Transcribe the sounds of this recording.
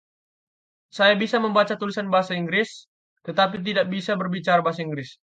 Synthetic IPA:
sajabisaməmbat͡ʃat̪ulisanbaɦasaiŋɡɾɪs | t̪ət̪ap̬it̪̬idaʔ̚bisabərbit͡ʃaɾabaɦas̬aiŋɡɾɪs

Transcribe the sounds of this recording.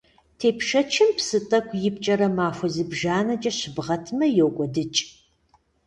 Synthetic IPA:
tʰeːpʰʂɐt͡ʃʰɪmpsɨtʼɐkʷʰʼjɪp̚t͡ʃʼɐɾɐmaːfʷɔzɨbʒaːnɐt͡ʃʼɐɕɪbʁɐtʰmɐjowkʷʼɔdɨt͡ʃʼ

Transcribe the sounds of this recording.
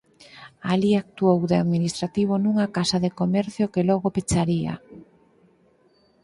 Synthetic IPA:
aliak̚t̪uowðeaðminist̪ɾat̪iβ̞onuŋakasaðekomɛɾθjokelɔɣopet͡ʃaɾia̰

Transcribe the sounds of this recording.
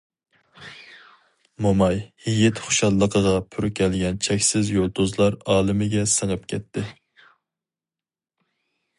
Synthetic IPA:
momɑjhijɪt̪χʊ̥ʃɑlˠːəqʰəʁɑpʰyɾkʲɛlɡʲɛnt͡ʃʰɛkʲsɪzjolˠd̪uzlˠɑɾɑːlˠɪmɪɡʲɛsəŋəp̚kʲʰɛt̪ʰːɪ

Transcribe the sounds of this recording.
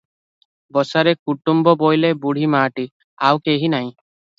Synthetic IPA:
bɔsaɾekuʈumbɔbojlebuɽ̤ʱimaːʈi | awkeɦinaɦĩ

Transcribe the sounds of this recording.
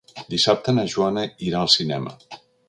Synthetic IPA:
d̪isap̚t̪ənəʒuanəiɾaəlˠsinɛmə̰

